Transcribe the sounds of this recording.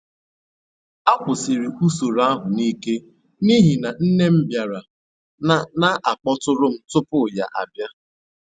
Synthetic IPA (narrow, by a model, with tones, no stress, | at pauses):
a˦kʷʊ˨sɪ˨ɾi˨u˦so˨ɾa˦a˦ɦʊ˨ni˦ke˦ | ni˦ɦi˨na˨n̩˦ne˦m̩˦bja˨ɾa˨˦ | na˦ʔa˨k͡pɔ˦tʊ˦ɾʊ˦m̩˦tʊ˦pʊ˦˨ja̰˨ʔa̰˨bja˦